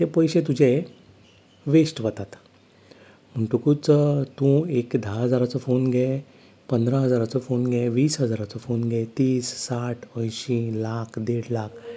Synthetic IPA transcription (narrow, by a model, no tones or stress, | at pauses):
t̪epəjɕẽt̪̬ud͡ʑʱe | ʋesʈʋət̪at̪ | m̤əɳʈukut͡sət̪ũekd̪ʱaɦəd͡zaɾat͡sɔfonɡʱɛ | pənd̪ɾãɦəd͡zaɾat͡sɔfonɡʱɛʋiːsɦəd͡zaɾat͡sɔfonɡʱɛt̪iːsːaʈʰə̃jɕĩlakʰd̪eɽlak̚ʰ